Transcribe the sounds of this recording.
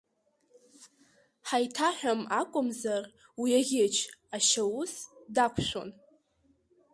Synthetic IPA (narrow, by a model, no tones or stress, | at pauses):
ħajtʰaħʷᶣamakʷʼʊmzar | wiaʁʲɪt͡ʃʰaʃawʊsdakʷʰʃʷo̰n